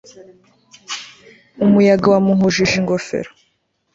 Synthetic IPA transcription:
umujaɡawamuɦuʒiʒiŋɡofḛɾo

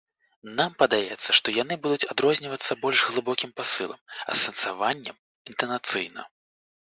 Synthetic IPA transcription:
nampɐd̪ajɛt̪sːɐʂt̪ɔjan̪ɨbud̪ut͡sʲad̪ɾɔzʲnʲivɐt̪sːɐbɔlʲʐɣlˠɨbɔkʲimpasɨlˠɐ̰mɐ̰sːɐnsavanʲːɐ̰m | int̪ɐnat̪sɨ̰jnɐ̰

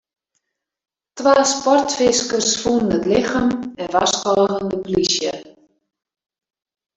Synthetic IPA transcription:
tʋaːspɔrtfɪskərsfunənətlɪxəmɛnʋaskɔlɣəndəplisjə̰

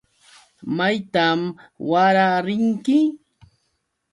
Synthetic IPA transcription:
majt̪amwaɾaɾɪŋkɪ

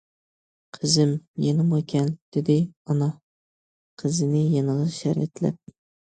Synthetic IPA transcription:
qʰəzɪmjenɨmkʲɛnd̪̥ɪd̪ɪɒnɑ | qʰəzɪnɪjenəʁɑʃæɾɛt̪læ̰p̚

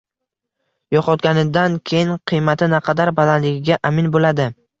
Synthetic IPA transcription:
jɒqɒt̪ɡʲanɪd̪ankʲʰejɪnqʰɨjmat̪ʰɪnaqʰɑd̪aɾbalanlɪɡʲɪɡʲaʔamɪnbolad̪ɪ

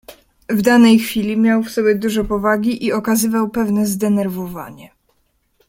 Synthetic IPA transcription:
vd̪anɛjxfʲilʲimʲjawfsɔbʲjɛd̪uʐɛpɔvaɡʲiʔiɔkazɘvawpɛvnɛzd̪ɛnɛɾvɔva̰ɲɛ

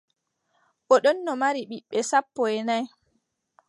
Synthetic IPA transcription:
ʔɔɗɔnːɔmaɾiɓiɓːɛsapːɔɛnaj

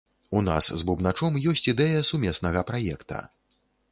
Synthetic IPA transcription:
una̰szbubnat͡ʂɔmjɔsʲt͡sʲid̪ɛjɐsumʲɛsnɐɣɐpɾajɛkt̪ɐ̰

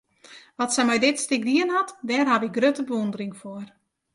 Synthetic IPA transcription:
ʋɔtsɛmɛjdɪtstɪk̚diənɦatdɛːrɦaʋɪk̚ɡrøtəbəʋondərɪŋfoər

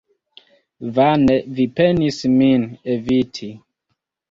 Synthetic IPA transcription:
vanevipenisminevitʰi

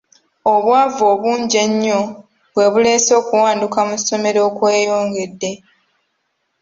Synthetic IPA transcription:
o̞βwaːvo̞ːβuːɲɟeɲːo̞ | βwe̞βule̞ːso̞ːkuwaːndukamuso̞me̞ɾo̞ːkweːjo̞ːŋɡe̞dːe̞

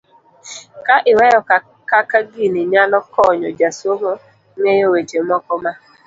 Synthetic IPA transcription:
kaʔɪwɛjɔka | kakaɡiniɲalɔkɔɲɔd͡ʒasomo | ŋejowet͡ʃemɔkɔma

